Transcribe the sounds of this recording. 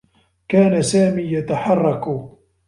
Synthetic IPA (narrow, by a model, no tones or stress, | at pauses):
kaːnasaːmiːjat̪aħɑrˤːɑk